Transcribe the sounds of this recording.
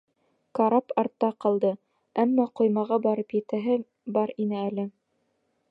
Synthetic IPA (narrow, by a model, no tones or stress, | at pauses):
kɑɾɑpɑɾt̪ːɑqɑ̆lˠd̪ɤ | æmːɑqŏjmɑʁɑbɑɾɤpjɘ̆t̪æɦɘ | bɑɾinɘælɘ